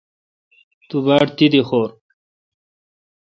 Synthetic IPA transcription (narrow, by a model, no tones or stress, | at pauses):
t̪ubaːʈt̪id̪ixoːɾ